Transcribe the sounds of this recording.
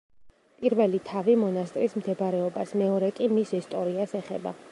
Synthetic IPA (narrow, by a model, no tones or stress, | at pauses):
pʼiɾvɛlit̪ʰavimɔnast̪ʼɾismd̪ɛbaɾɛɔbasmɛɔɾɛkʼimisist̪ʼɔɾiasɛχɛ̰ba̰